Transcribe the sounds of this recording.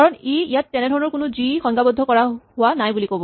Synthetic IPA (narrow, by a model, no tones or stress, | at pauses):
kaɹɔneijatːɛnɛdʱɔɹɔnɔɹkʊnʊzixɔŋɡabɔd̪ʱːɔkɔɹahʊwanajbulikobɔ